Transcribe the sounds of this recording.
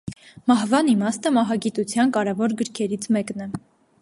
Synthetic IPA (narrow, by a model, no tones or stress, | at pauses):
mɑhvɑnimɑst̪əmɑɦɑɡit̪ut͡sʰjɑnkɑɾɛvɔɾɡəɾkʰɛɾit͡sʰmɛknɛ